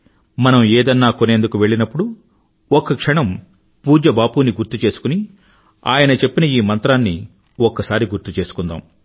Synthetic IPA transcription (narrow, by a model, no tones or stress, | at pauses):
mɐnɐmeːd̪ɐnːaːkone̞ːnd̪ukuʋe̞ɭːinɐpːuɽu | ɔkːɐkʂɐɳɐm | puːd͡ʒɐbaːpuːniɡuɾt̪ːut͡ʃe̞ːsu̥kuni | a̰ːjɐnɐt͡ʃe̞pːinɐiːmɐnt̪ɾaːnːi | ɔkːɐsaːɾiɡuɾt̪ut͡ʃe̞ːsu̥kund̪a̰ːm